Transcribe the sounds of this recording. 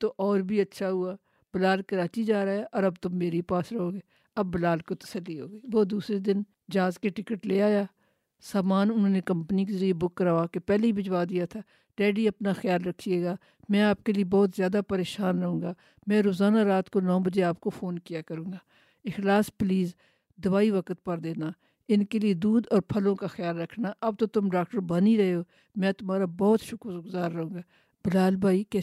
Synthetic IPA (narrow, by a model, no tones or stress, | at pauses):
t̪oʔɔːɾbʱiɐtːʃʰaɦuaː | b̥ɪlaːlkɐɾaːt͡ʃid͡ʒaːɾaɛʔɔːɾɐbt̪ʊmːeːɾipaːsɾɐɦoːɡeː | ɐbːɪlaːlkot̪ɐ̥səlːiɦoːɡiːʋoːd̪uːsɾed̪ɪn | d͡ʒaːzkeʈɪkəʈleːaːjaː | saːmaːnʊnɦõːnekɐ̃mpnik̬ezəɾiebʊkːəɾaːaːkepɛːleibɪd͡ʒʋaːd̪ijat̪ʰaː | ɖɛːɖiɐpnaxjaːlɾɐkʰːieːɡaː | mɛ̃ːaːp̚keliebɔːt̪zjaːd̪apəɾeːʃaːnɾɐɦũːɡaː | mɛ̃ːɾoːzaːnaɾaːt̪konɔːbəd͡ʒeaːp̚kofʰoːnkijaːkəɾũːɡaː | ɪxlaːspliːz | d̪ʊʋaːiʋəkət̪̚pəɾd̪eːnaː | ɪnkelied̪uːd̪ɔːɾpʰəlõkaxɪjaːlɾɐkʰnaːʔɐb̚t̪ot̪ʊmɖaːkʈəɾbaniɾɐɦeoː | mɛ̃ːt̪ʊmaːɾabɔːt̪ʃʊkɾɡʊzaːɾːɐɦũːɡaː | b̥ɪlaːlbʱaːikɛː